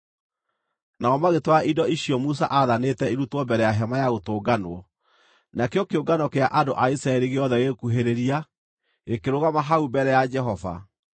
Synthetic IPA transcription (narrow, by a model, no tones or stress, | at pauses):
naɔmaɣetwaidɔiɕijɔmus̬a̰ʔaðanetɛiɾutwɔmbɛɾɛjaɦɛmajaɣotoːɡanwɔ | nakeɔkeoɡanɔkeaʔandoʔaisɾaɛɾiɣeɔðɛɣekuɦeɾeɾia | ekeɾoɣamaɦaumbɛɾɛjad͡ʒɛɦɔva̰